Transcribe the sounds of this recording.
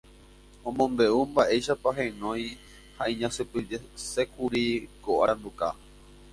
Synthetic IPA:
õmõmbe̞umbaʔe̞jʃapaɦẽnõ̞j̃ | haĩɲãsɨpɨese̞kuɾikoʔaɾambuka̰

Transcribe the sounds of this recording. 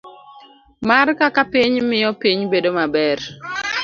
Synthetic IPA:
markakapiɲmɪjɔpiɲbedomabɛr

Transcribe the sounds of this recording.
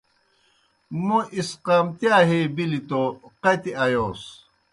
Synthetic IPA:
moʔisqaːmt̪jaːɦebilit̪oqɐt̪iɐjoːs

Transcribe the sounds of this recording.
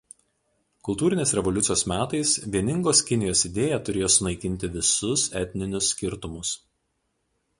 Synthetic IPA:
kʊlˠt̪uːɾʲɪnʲeːsɾʲɛʋɔlʲʊt̪sʲjoːsmʲæːt̪ɐɪsʋʲiɛnʲɪŋɡoːskʲɪnʲɪjoːsɪd̪ʲeːjɛt̪ʊɾʲeːjoːsʊnɐɪkʲɪnʲt̪ʲɪʋʲɪsʊsɛt̪ʲnʲɪnʲʊsːʲkʲɪɾt̪ʊmʊs

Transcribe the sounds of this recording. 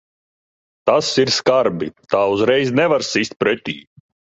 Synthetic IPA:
t̪asiɾskaɾbḭt̪aːuzɾɛjznɛvaɾsisʲt̪̚pɾɛt̪ʲḭː

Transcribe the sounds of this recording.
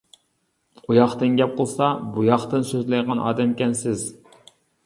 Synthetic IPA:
qujɑχt̪ɨnɡʲɛp̚qʰolˠsɑbujɑχt̪ɨnsøzlɪjʁɑnʔɑ̰ːd̪ɛmkʲɛnsɪz

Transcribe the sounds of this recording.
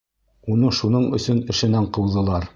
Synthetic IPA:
unɤʃunɤɴɵ̰̆sɵnɘ̆ʃɘ̆næɴqɤ̆wðɤ̆lˠɑɾ

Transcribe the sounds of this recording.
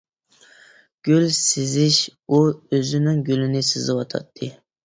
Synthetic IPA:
ɡ̥ʲylsɪzɪʃuøzɪnɪŋɡʲylɪnɪsɨzɨwɑt̪ʰɑ̰t̪ʰːɨ

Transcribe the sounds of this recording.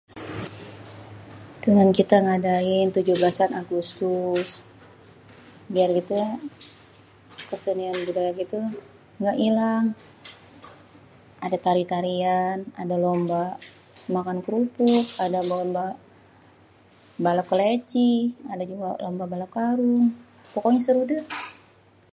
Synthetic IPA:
dəŋankit̪aŋadaɪnt̪ud͡ʒubəlasanaɡust̪us | biarɡit̪u | kəsənianbudajaɡit̪u | ŋɡaʔilaŋ | adat̪aɾit̪aɾiana̰dalomba | makankɾupʊkadabɔmba | balakəlet͡ʃiadad͡ʒuɡalɔmbabalap̚kaɾʊŋ | pɔkɔɲasəɾuda

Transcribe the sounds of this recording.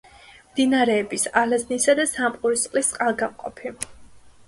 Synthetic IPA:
md̪inaɾɛːbisalaznisad̪asamqʼuɾisqʼlistʼqʼalˠɡamqʼɔ̰pʰi

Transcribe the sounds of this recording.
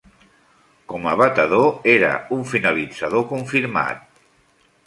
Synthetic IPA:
kɔməβət̪əðoeɾə̰uɱfinəlid͡zəðokuɱfiɾma̰t̪̚

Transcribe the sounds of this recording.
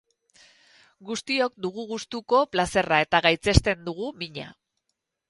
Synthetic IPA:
ɡust̪io̞kd̪uɣ̞uɣust̪uko̞plase̞rae̞t̪aɣajt͡se̞st̪e̞nd̪uɣ̞umiɲa̰

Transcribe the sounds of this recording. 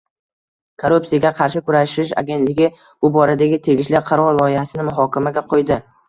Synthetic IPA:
kʰoɾupsijaɡʲaqʰɑɾʃɪkʊɾaʃɪʃa̰ɡʲe̞nt̪lɪɡʲɪ | ʊbɒɾad̪aɡʲɪt̪ʰe̞ɡʲɪʃlaqʰɑɾɒɾlˠɒjɪhasɪnɪmʊɦɒkʲamaɡʲaqʰojd̪ɪ

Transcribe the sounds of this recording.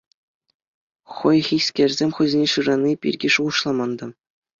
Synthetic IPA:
χɤ̆jχʲisʲkʲerʲzʲemʲχɤ̆zʲenʲeʂɯʐɑnʲːipʲḭrʲɡʲiʂuuʃlˠɑmɑnd̪ɑ̆

